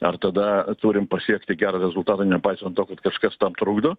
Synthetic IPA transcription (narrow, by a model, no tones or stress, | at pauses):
ɐrt̪ɐd̪ɐt̪uːɾʲɪmpɐsʲiɛkt̪ʲɪɡʲæːɾɐɾʲɛzʊlˠt̪ɑːt̪ɐnʲɛpɐɪsɐnt̪t̪oːkɐt̪kɐʃkɐst̪ɐmt̪ɾuːɡd̪oː